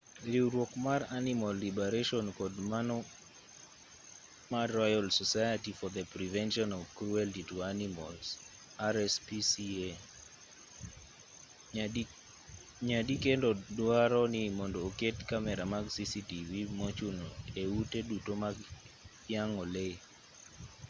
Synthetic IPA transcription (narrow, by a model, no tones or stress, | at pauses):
ɾiwɾwɔkmaranimɔlːibeɾeʃɔnkɔdmanɔ | maɾɔjalsɔsajatifɔd̪əpɾivɛnʃɔnɔvkɾuɛltituanimɔls | aɾɛspisie | ɲadikendɔdwaɾɔnɪmɔndɔːketkamɛɾamaɡsisitivimot͡ʃunoeutedutomaɡ | jaŋɔle